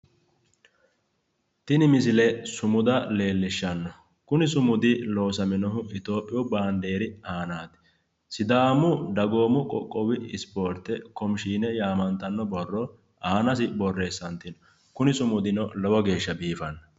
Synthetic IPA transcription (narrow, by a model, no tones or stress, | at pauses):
t̪ɪnɪmɪs̬ɪlɛsʊmʊd̪ɐle̞ːlːɪʃːɐnːɔ | kʊnɪsʊmʊd̪ɪlo̞ːsɐmɪnɔɦʊɪt̪o̞ːpʼːɪjɔbaːnd̪e̞ːɾɪaːnaːt̪ | sɪd̪aːmʊd̪ɐɡo̞ːmʊkʼɔ̰kʼːɔwɪɪspo̞ːɾt̪ːɛkɔmʃiːnɛjaːmɐnt̪ɐnːɔbɔrːɔ | aːnɐs̬ɪbɔrːe̞ːsːɐnt̪ɪnɔ | kʊnɪsʊmʊd̪ɪnɔlɐwɔɡe̞ːʃːɐbiːfɐnːɐ